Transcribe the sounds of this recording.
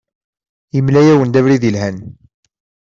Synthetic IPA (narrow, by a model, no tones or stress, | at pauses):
imlæjæwənd̪ævɾiðilɦæn